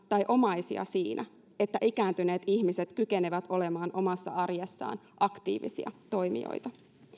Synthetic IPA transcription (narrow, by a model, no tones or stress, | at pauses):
t̪ɑjʔo̞mɑjsḭɑ̰siːnʔæ | e̞t̪ːæʔikæːnt̪yne̞ːt̪içmise̞t̪kyke̞neʋæt̪o̞le̞mɑːnʔo̞mɑsːɑ̰ɑrjɑsːɑ̰ːn | ʔɑkt̪ḭːʋḭsḭɑ̰t̪o̞jmḭo̰jt̪ɑ